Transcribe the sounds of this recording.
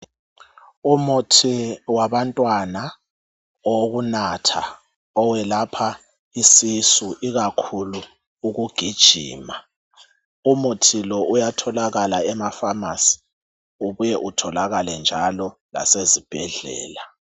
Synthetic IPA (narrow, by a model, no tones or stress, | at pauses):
umutʰiwaβantʼwana | oɣunatʰa | ɔwɛlapʰa | isisuʔiɣakʰulu | uɣuɡ̥ʱid̥ʒ̥ʱḭːma | umutʰilɔʔujatʰɔlaɣalaɛmafamasi̥ | uβujɛʔutʰɔlaɣalɛnd͡ʒʱalɔla̰sezib̥ʱɛɮɛ̰ːla